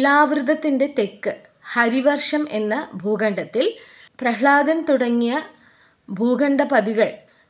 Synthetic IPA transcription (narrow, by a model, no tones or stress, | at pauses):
laːʋrɨd̪ʱɐt̪ːinde̞t̪ekːɨ | hɐɾiʋɐrʂɐme̞̰nːɐbʱuːɡɐɳɖɐt̪ːil | prɐɦɭaːd̪ɐnt̪uɽɐŋːijɐ | bʱuːɡɐɳɖɐpɐðiɣɐɭ